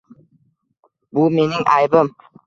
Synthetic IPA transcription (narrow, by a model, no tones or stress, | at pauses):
bumenɪŋʔɑjbəm